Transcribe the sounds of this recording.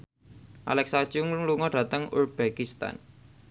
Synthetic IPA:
ʔa̰lɛksḁd͡ʒʊŋluŋɔɖ̥a̤t̪əŋurb̥ekist̪a̰n

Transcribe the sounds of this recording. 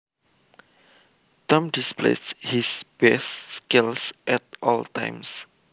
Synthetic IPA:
t̪ɔ̃mdisplḛshisb̥ɛsːkilsʔɛtʔɔltã̰jms

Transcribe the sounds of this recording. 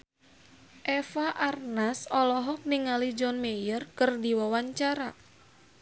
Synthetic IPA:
ʔɛfaʔarnasɔlɔɦɔk̚niŋalid͡ʒɔnmejərkɨrdiwawaɲt͡ʃaɾa

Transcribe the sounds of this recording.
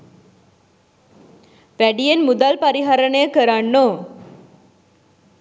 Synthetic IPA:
ʋæɖijenmud̪alpaɾiɦaɾəɳəjəkəɾanːoː

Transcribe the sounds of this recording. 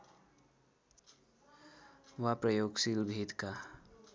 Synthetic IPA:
ʋapɾəjoːɡsilbʱiːd̪ka

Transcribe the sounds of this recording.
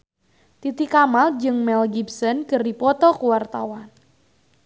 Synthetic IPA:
t̪it̪ikamald͡ʒɨŋmɛlɡibsɔnkərdipɔt̪ɔkuwart̪awan

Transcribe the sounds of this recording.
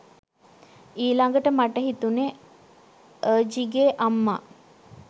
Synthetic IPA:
iːlaŋɡəʈəmaʈəɦit̪une | əːd͡ʒiɡeʔamːa

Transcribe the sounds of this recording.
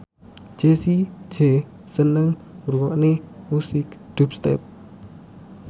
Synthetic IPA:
d͡ʒ̥esi̥d͡ʒ̥ɛ | sənəŋuɾuwɔʔnemusɪkd̪̥up̚st̪ɛ̰p̚

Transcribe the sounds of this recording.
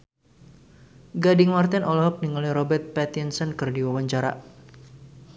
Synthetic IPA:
ɡadɪŋmart̪ɛnʔɔlɔɦɔk̚niŋaliɾɔbɛrt̪̚pɛt̪insənkɨrdiwawaɲt͡ʃaɾa̰

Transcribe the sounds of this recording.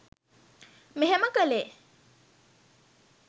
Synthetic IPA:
meɦeməkəle

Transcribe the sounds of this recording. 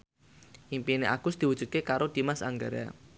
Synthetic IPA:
ʔimpineʔaɡ̥ʊsd̪̥i̤wud̥ʒ̥ṳd̪̚kekaɾod̪̥i̤masa̰ŋɡaɾja̰

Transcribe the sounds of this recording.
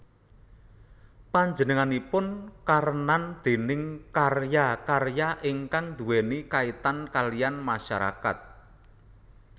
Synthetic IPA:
paɲd͡ʒənəŋanipʊnkaɾənand̪̥e̤nɪŋkarjakarjaʔiŋkaŋd̪uwenikait̪ankalijanmaʃaɾa̰ka̰t̪̚

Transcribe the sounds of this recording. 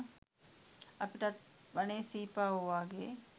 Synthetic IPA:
ɐpɪʈat̪bənẽsiːpaɦoaːɡe

